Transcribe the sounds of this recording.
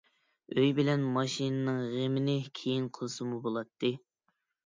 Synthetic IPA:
øjbɪlɛnmɑʃinɨnɨŋʁemɪnɪkʲʰejinqʰəlˠɨsɨmubolˠɑt̪ʰːɨ

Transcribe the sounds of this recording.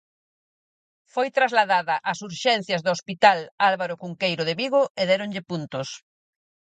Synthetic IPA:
fojt̪ɾazlaðaðɐʔasuɾʃɛnθjɐzðʊospit̪alalβaɾʊkuŋkejɾoðɪβiɣoʔeðɛɾoŋʎɪpunt̪ʊs

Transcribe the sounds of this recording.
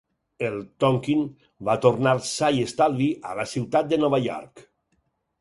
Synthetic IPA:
elˠt̪ɔŋkin | bat̪oɾnaɾsajest̪alβiʔa̰lasiwt̪at̪̚d̪ənɔβaʎɔ̰ɾk

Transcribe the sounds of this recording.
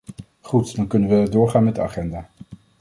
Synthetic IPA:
χutd̥ɑnkɵnənʋədʊːɹχaːnmɛd̚dəa̰χɛndaː

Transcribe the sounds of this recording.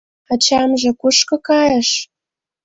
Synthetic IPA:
at͡ɕɑmʒĕkuʃkɤ̆kɑjə̆ʃ

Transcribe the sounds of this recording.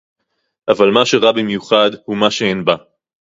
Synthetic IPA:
ʔavalmaʃe̞ʁabimjuχad̪humaʃeenba

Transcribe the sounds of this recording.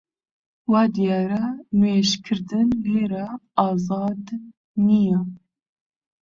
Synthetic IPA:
wɑːd̪ijɑːɾɛmeːʃkʰɨɾd̪ɨnleːɾaɑːzɑːd̪ | nijɛ

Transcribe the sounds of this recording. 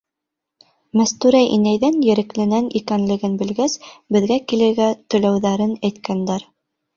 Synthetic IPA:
mæst̪ʉɾæjʔinæjðænjɘ̆ɾɘ̆klɘ̆nænikænlɘ̆ɡɘnbɘ̆lɡæsbɘ̆ðɡækilɘ̆ɾɡæt̪ɵ̆læwðæɾɘnæjt̪kænd̪æɾ

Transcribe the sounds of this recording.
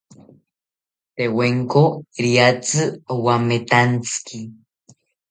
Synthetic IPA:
t̪eweŋkoiɾiat͡sɨwamet̪ant͡sɨ̥ki

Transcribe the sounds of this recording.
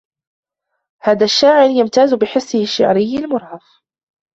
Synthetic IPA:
haːðaːʃːaːʕɪɾjamt̪aːzʊbɪħɪsːɪhɪʃːa̰ʕɾɪjːalmʊɾˤhɑf

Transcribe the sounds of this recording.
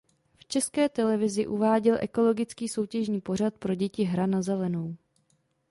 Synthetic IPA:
ft͡ʃɛskɛːt̪ɛlɛvɪzɪʔuvaːɟɛlʔɛ̰ko̞lo̞ɡɪt͡skiːso̞wcɛʒɲiːpo̞r̝at̪̚pɾo̞ɟɛcɪɦɾanazɛlɛno̞w

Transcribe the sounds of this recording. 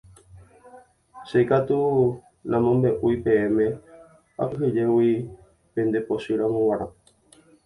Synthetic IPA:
ʃejkat̪u | nãmõmbe̞ʔujpẽ̞ẽmẽ̞ | a̰kɨɦɨd͡ʒewi | pẽnd̪eposɨɾamõwaɾã

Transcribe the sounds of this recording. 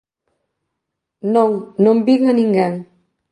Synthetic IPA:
noŋnombiŋəniŋɡaŋ

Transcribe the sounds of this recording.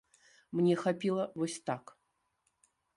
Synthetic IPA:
mnʲɛxapʲilˠəvosʲt̪ak

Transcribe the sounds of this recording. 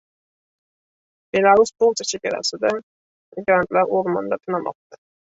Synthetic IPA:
b̥elˠaɾusbolˠt̪ɪt͡ʃʰeɡʲaɾa̰sɪd̪a | ɡɾant̪laɾʔoɾmand̪at̪ʰɪnamɒ̰q̚t̪ʰa

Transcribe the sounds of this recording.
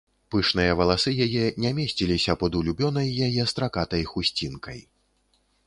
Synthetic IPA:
pɨʂnɨjɐvɐlˠasɨjajɛnʲamʲesʲt͡sʲilʲisʲɐpɐd̪ulʲubʲɔnɐjːajɛst̪ɾakat̪ɐjxusʲt͡sʲinkɐj

